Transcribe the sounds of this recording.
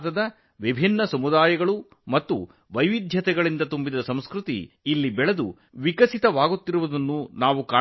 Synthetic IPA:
t̪ɐd̪ɐ | ʋibʱinːɐsɐmud̪aːjɐɡɐɭu | mɐt̪ːu | ʋɐjʋid̪ʱjɐt̪ɛɡɐɭind̪ɐt̪umbid̪ɐsɐmskɾut̪ḭː | lːibɛɭɐd̪u | ʋikɐsit̪ɐʋaːɡut̪ːiɾuʋud̪ɐnːunaːʋukaː

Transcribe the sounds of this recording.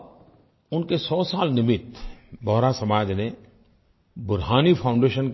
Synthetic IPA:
ʊnkesɔːsaːlnɪmɪt̪bɔːɾasɐmaːd͡ʒne | bʊɾɦaːnipʰaʊ̃ɳɖeːʃənk

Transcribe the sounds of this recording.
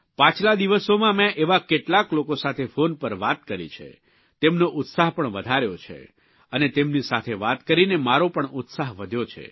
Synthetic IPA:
pãt͡ʃʰlad̪iʋəsomãmɛ̃ʔeʋakeʈlaklokosat̪ʰefonpəɾʋat̪kəɾḭt͡ʃʰḛ | t̪emnoʔʊt̪saɦpəɳʋəd̪ʱaɾjot͡ʃʰḛ | ənet̪emnisat̪ʰeʋat̪kəɾinemaɾopəɳʊt̪saɦʋəd̪ʱjot͡ʃʰḛ

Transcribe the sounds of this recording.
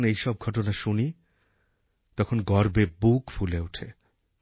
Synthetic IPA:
nejʃɔb̚ɡʱɔʈ̬onaʃuni | t̪ɔkʰonɡɔɾbebukfuleuʈʰe

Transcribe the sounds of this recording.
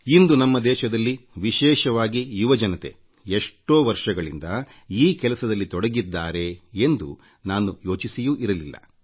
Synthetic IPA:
ind̪unɐmːɐd̪ɛːʃɐd̪ɐlːiʋiʃɛːʃɐʋaːɡijuʋɐd͡ʒɐnɐt̪e̞̰ | eʂʈo̞ːʋɐɾʂɐɡɐɭḭnd̪ɐ | iːkɛlɐsɐd̪ɐlːit̪ɔɽɐɡid̪ːaːɾe̞end̪ṵ | naːnujoːt͡ʃisijuʔiɾɐlilːɐ̰

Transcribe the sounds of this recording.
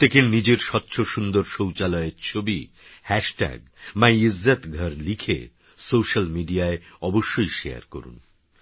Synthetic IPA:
t̪ekenid͡ʑeɾʃɔtːɕʰoʃund̪oɾʃowt͡ɕalɔeɾt͡ɕʰobi | hɛʃʈɛ̰ɡ | majizːat̪ɡʱʌɾlikʰḛ | sowʃalmiɖiaeɔboʃːojʃea̰ɾko̰ɾṵn

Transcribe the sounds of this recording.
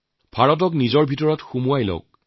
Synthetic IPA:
b̥ʱaɹɔt̬ɔk̬nizɔɹbʱitɔɹɔtxumuajlɔ̰k̚

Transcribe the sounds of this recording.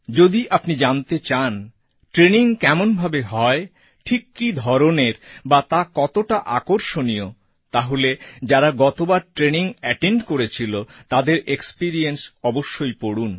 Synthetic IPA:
d͡ʑod̪iʔapnid͡ʑant̪et͡ɕan | ʈɾeniŋkɛmonbʱabeɦɔe | ʈʰikːid̪ʱɔɾoneɾbat̪akɔt̪oʈaʔakoɾʃonijo | t̪aɦoled͡ʑaɾaɡɔt̪obaɾʈɾeniŋɛʈeɳɖkoɾet͡ɕʰilot̪ad̪eɾekspiɾiensɔboʃːojpoɽun

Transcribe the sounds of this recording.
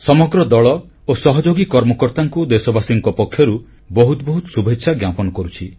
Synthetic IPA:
sɔmɔɡɾɔd̪ɔɭɔ | osɔɦɔd͡ʒoɡikɔɾmɔkɔɾt̪aŋkud̪esɔbasiŋkɔpɔkʰjɔɾu | bɔɦut̪bɔɦut̪ɔsubʱetːʃʰaɡjapɔnɔkɔɾut͡ʃʰi

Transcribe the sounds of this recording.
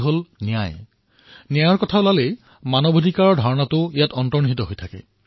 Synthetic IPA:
ɦolnija̰j | nijajɔɹkɔtʰaʊlalej | manɔbʱodʱikaɹɔɹdʱaɹɔnatʊijatɔntɔniɦitɔɦojtʰakɛ̰

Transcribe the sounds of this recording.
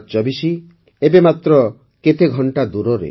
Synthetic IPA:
t͡ʃɔbisi | ebemat̪ɾɔ | ket̪eɡʱɔɳʈad̪uɾɔɾḛ

